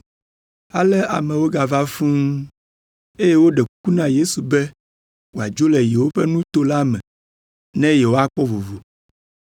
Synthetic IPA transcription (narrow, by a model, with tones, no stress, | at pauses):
a˨lɛ˦a̰˨mɛ̃˨wo˦ɡa˨va˦fũ˦ŋ˦ | e˦je˦wo˦ɖɛ˨k̚u˦nã˦je˦su˨bɛ˦ | wo˨a˨d͡ʒo˦lɛ˨je˨wo˦ɸɛ˦nũ˦t̪o˦la˦mɛ̃˨ | nɛ̃˦jɛ˨wo˦a˦k͡pɔ˦vo˨vo˨